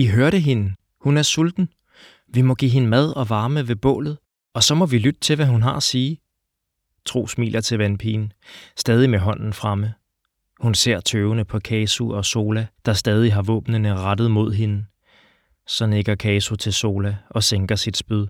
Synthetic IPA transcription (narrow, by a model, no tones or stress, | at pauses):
iɦøɐɾəɦe̝n | hunæɐsuld̥n̩ | ʋimɒ̽ɡ̥ḭːɦe̝nəmæð̞ˠɒ̽ʋɑ̈ːməʋe̝b̥ɔ̰̽ːlð̞̩ˠ | ɒ̽sɒ̽mɒ̽ʋilyd̥ət͡sʰe̝lʋæɦunɦɑ̈siː | t͡sʰʁo̝̰ːsmḭːlʔɐt͡sʰe̝lʋænpʰiːn̩sd̥ɛːðˠimeɦɒ̽n̰n̩fʁɑmə | hunse̝ɐ̰t͡sʰøːʊnəpʰɒ̽kʰɛːsuɒ̽so̝ːlæd̥ɑ̈sd̥ɛːð̞ˠiɦɑ̈ʋɔ̰ːb̥nənəʁad̥ð̩ˠmo̝ð̰ˠɦe̝nə | sɒ̽neɡ̥ɐkʰɛːsut͡sʰe̝lso̝ːlæʔɒ̽seŋɡ̥ɐsid̥sb̥yð̞ˠ